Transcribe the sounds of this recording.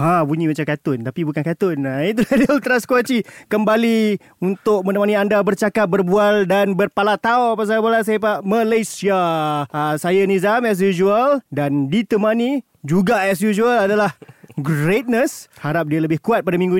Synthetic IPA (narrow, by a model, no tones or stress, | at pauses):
habuɲĩmat͡ʃamkat̪ʊnt̪apibukankat̪ʊnait̪̬uladəut̪ɾaskwat͡ʃikəmbali | unt̪ʊk̚mənəmaniandabərt͡ʃakat̪̚bərbualdanbərpalat̪aoapas̬aabalas̬ajap̬aʔməlesiaəsajanizamɛs̬jud͡ʒualdandit̪əmani | d͡ʒuɡaɛs̬jud͡ʒualadalahɡɾet̪̚nəshaɾap̚dialəbɪhkuat̪̚padamĩŋɡu